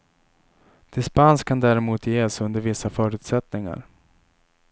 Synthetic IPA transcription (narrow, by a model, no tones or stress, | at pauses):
d̪̥ɪspanskʰːand̪æːɾɛmuːt̪jeːsɵnd̪əɾvɪsːafœːɾʉ̟ːt̪sɛt̪nɪŋa̰ɾ